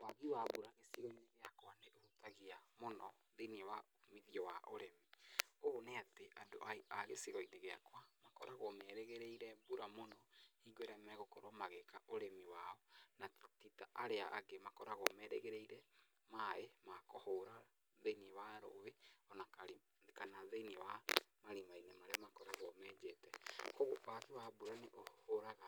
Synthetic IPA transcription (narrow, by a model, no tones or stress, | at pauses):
waɣiwaβuɾaɣesiɣɔineɣeakwaneʔoutaɣiamonɔ | ðeniwa | miðiɔwaʔoɾemioneateʔado̰ʔaaɣesiɣɔineɣea̰kwamakɔɾaɣomɛɾɛɣɛɾɛiɾɛbuɾamonɔiɡoɾɛmɛɣokɔɾomaɣekaʔoɾemiwaɔnatitaʔaɾea̰ʔa̰ɡemakɔɾaɣɔmɛɾɛɣɛɾeiɾɛ | maemakɔhoɾa | ðeniwaɾo̰weɔnakaɾi | kanaðeiniewamaɾimainemaɾeamakɔɾaɣɔmɛd͡ʒetɛkoɣopakiwabuɾaneʔohoɾaɣa